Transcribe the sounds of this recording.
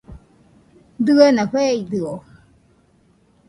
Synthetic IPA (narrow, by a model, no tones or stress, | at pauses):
d̪ɯanãɸeid̪ɯo